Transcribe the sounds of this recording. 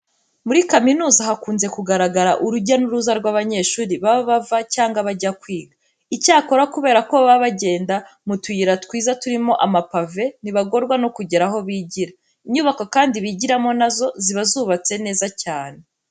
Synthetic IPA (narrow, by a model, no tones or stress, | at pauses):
muɾikaminuːzahakuːnze̞kuɡaɾaɡaɾaʔuɾuɟanuɾuzaɾɡwaːβaɲe̞ʃuːɾiβaβaβavacaːŋɡaβaɟakwiːŋɡa | icaːko̞ɾakuβe̞ːɾako̞βaβaɟe̞ːndamutwiiɾatkwiːzatuɾimo̞ʔamapave̞niβaɡo̞ɾɡwano̞kuɟe̞ɾaɦo̞βiːɟiɾa | iɲuβakokaːndiβiɟiɾamo̞nazo̞ziβazuːβat͡se̞ne̞ːzacaːne